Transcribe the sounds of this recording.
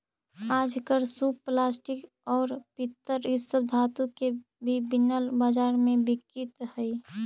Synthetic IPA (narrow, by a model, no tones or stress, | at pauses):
aːd͡ʒkəɾsuːpplaːsʈɪk | ɔːɾpɪt̪ːəɾɪsːəb̚d̪ʱaːt̪ũke | bʱibɪnəlbaːd͡ʒaːɾmẽbɪkːɪt̪hɛi